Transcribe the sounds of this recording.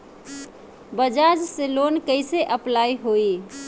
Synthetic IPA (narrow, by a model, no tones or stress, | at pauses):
bəd͡ʒad͡ʒselonkəɪseʔəplaiɦoi